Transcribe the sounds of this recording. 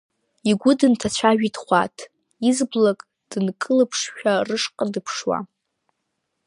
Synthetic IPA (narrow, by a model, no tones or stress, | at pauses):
iɡʷʊdɨntʰat͡ɕʷʰaʒᶣidχʷa̰tʰ | izblakʼ | d̥ɨnkʼɨlɨpʰʂʃᶣarɨʂqʼadɨpʰʂwa̰